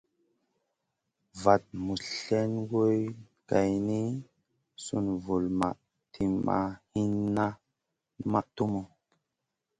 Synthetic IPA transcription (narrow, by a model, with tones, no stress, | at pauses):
va˨t̚mu˨ɬe˦nɡo˦j | ɡa˨jni˦ | su˦nvu˨lma̰˨ʔ | tʰi˨ma̰˨hi˦nːa˦ | ma˦˨ʔtu˦mo˨